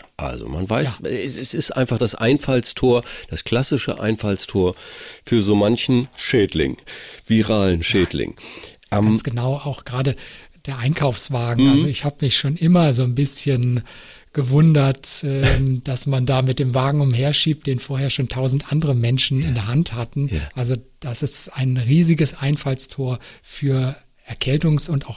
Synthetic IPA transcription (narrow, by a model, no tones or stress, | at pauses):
ʔa̰lzo̰ma̰nvaɪsɛɛsɪstʔa̰ɪ̃nfaχd̥asʔa̰ɪnfalstʰoːɐd̥askʰl̥asɪʃə̰ʔa̰ɪnfalstʰoːɐfyːɐzoːmançn̩ʃɛːdlɪ̰ŋviʁaːlən̩ʃɛːdlɪ̰ŋʔɛɡansɡ̥ənaʊaʊxɡ̥ʁaːdə | d̥eːɐʔaɪnkʰaʊfsv̥aːɡŋ̩ʔalzzoɪçhaːbəmɪçʃoːnʔɪmɐzoːnbɪsçən | ɡ̥əvʊndɐtɛmd̥asmandaːmɪt̚d̥eːmvaːɡŋ̩ʊmheːɐʃiːp̚t̚d̥eːnfoːɐheːɐʃoːntʰaʊzn̩tʔandəʁəmɛnʃn̩ɪndeːɐɦanthatn̩ʔalzod̥asɪstaɪnʁiːzɪɡəsʔaɪnfalstʰoːɐfyːɐ | ʔɛɐkʰɛltʊŋsʊntaʊx